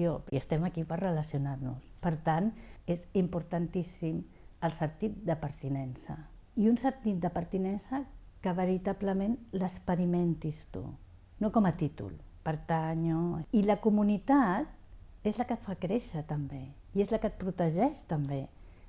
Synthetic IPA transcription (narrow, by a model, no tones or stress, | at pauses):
joiəst̪ɛməkipərrələsiunaɾnṵspəɾt̪anezimpuɾt̪ant̪isim | əlˠsəɾt̪it̪̚d̪əpəɾt̪inɛnsə̰ | iunsənt̪it̪̚d̪əpəɾt̪inɛnsə | kəβ̞əɾit̪abləmenləspəɾiment̪ist̪ṵ | nokɔmət̪it̪ṵlpəɾt̪aɲoiləkumunit̪at̪̚ | ezləkət̪fakɾeʃət̪əmbe | iezləkət̪̚pɾut̪əʒɛʃt̪əmbe